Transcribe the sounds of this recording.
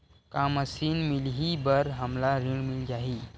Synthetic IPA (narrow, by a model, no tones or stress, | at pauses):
kaməsiːnmilɦibəɾɦamlaɾiɳmild͡ʑaɦiː